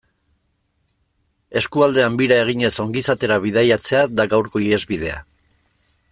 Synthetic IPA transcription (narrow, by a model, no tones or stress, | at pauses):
e̞skuald̪e̞ambiɾae̞ɣ̞iɲe̞so̞ŋɡisat̪e̞ɾaβið̞ajat͡se̞ad̪aɡawɾko̞iɾe̞zβið̞e̞a̰